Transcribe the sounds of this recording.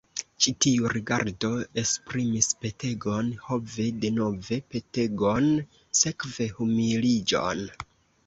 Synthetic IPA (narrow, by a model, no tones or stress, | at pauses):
t͡ʃitiuɾiɡa̰ɾdo̞e̞spɾimispe̞te̞ɡo̞nho̞ve̞de̞no̞ve̞pe̞te̞ɡon | se̞kve̞humilid͡ʒo̞̰n